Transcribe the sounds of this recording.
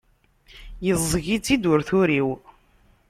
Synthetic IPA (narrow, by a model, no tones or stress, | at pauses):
jəzˤɣit͡sːid̪ʊɾθʊɾiw